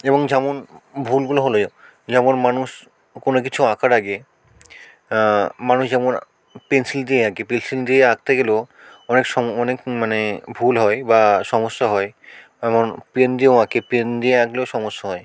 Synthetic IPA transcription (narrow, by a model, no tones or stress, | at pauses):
eboŋd͡ʑɛmonbʱulɡuloɦoloo | d͡ʑɛmonmanuʃ | konok̬it͡ɕʰuakʰaɾaɡe | manuʃd͡ʑɛmon | pensild̪ieaɡepensild̪ieaɡ̚t̪ʰeɡelo | ɔnekʃɔɔnekmanebʱulɦɔebaʃɔmoʃːaɦɔe | ɛmonpɾend̪ioakepɾend̪ieaɡleoʃɔmoʃːaɦɔe